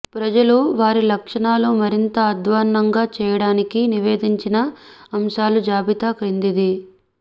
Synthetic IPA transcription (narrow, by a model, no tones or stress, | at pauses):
pɾɐd͡ʒɐluʋaːɾilɐkʂɐɳaːloːmɐɾint̪ɐːd̪ʋaːnːɐŋɡaːt͡ʃɛːjɐɽaːnikiniʋeːd̪iɲt͡ʃinɐɐmʃaːlud͡ʒaːbit̪aːkɾind̪id̪i